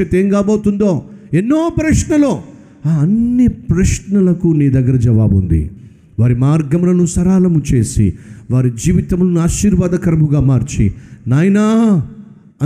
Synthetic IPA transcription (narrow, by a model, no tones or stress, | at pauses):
ɐt̪eːmɡaːboːt̪und̪o̞ːenːo̞ːpɾɐʂnɐloː | aːɐnːipɾɐʂnɐlɐkuniːd̪ɐɡːɐɾɐd͡ʒɐʋaːbund̪ḭ | ʋaːɾimaːɾɡɐmulɐnusɐɾaːlɐmut͡ʃe̞ːsḭʋaːɾid͡ʒiːʋit̪ɐmlunaːʃiːɾʋaːd̪ɐkɐɾɐmuɡaːmaːɾt͡ʃḭnaːjɐna | ɐ